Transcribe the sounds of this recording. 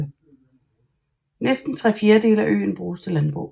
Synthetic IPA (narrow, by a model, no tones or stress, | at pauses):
nesd̥n̩t͡sʰʁɛ̰fje̝ːɐde̝̰ːləæʔø̰ːn̩b̥ʁuːst͡sʰe̝lænb̥ʁṵ